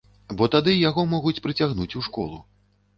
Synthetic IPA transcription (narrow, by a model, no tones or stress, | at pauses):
bɔt̪ad̪ɨjaɣɔmɔɣut͡sʲpɾɨt͡sʲaɣnut͡sʲuʂkɔ̰lˠṵ